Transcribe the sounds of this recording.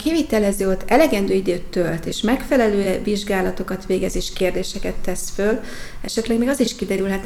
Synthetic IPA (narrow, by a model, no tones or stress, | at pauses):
kiviːt̪ɛlɛzøːot̪ːɛlɛɡɛnd̪øːid̪øːt̪ːølt̪eːʃmɛkfɛlɛløːɛviʒɡaːlɒt̪o̞kɒt̪ʋeːɡɛzeːʃkeːrd̪eːʃɛkɛt̪ːɛsfølɛ̰ʃɛt̪lɛɡmeːɡɒziʃkid̪ɛɾylɦɛt̪